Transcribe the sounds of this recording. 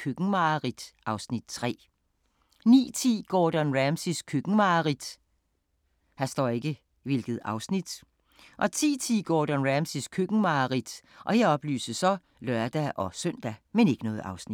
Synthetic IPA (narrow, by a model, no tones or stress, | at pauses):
kʰøɡ̥̩mɑ̈ʁid̥ʔɑ̈ʊsnid̥̚t͡sʰʁɛ̰ː | nḭːt͡sʰḭːɡ̥ɒːd̥ænʁæmsiskʰøɡ̥ŋ̩mɑ̈ʁid̥ | hæsd̥ɒ̰ːe̝ɡ̥ə | ʋe̝lɡ̥ð̞̩ˠɑ̈ʊsnid̥ | ʔɒ̽t͡sʰḭːt͡sʰḭːɡ̥ɔ̰ːd̥ænʁæmsiskʰøɡ̥ŋ̩mɑ̈ʁid̥ʔɒ̽jäɒ̽b̥ly̰ːsəsɒ̽ | lɶɐd̥æʔɒ̽sœn̰d̥æmene̝ɡ̥ənɔ̽ːð̩ˠɑ̈ʊsni̥